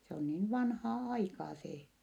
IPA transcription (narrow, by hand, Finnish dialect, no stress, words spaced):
se on niːn ʋɑnhɑː ɑikɑː seː